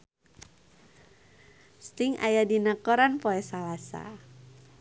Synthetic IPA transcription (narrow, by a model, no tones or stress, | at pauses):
st̪ɪŋa̰jadinakɔɾanpɔɛsalasa̰